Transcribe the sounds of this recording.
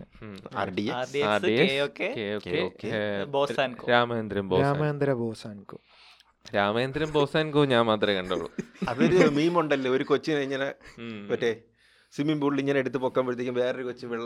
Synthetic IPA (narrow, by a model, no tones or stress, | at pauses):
a̰ɖieːɖiasieokːekːeokːeokːeboːaːnkoɾaːmɐjɐnd̪ɾɐmboːɾasːamɐɐnd̪ɾɐboːsaːnkoː | ɾaːmɐjɐnd̪ɾɐmbo̞ːsaːnkoːɲaːnmaːt̪rɐkɐɳɖɐʋɐɭṵɐðoɾumiːmoɳɖɐlːeoɾukot͡ɕːɨɐjiɲːɐlɨʋɐʈːe | simimbuːɖliɲːɐneɽut̪ːɨpoːkːaːmboɾt̪ekʲːumʋeːrɐɾukot͡ɕːɨʋiɭː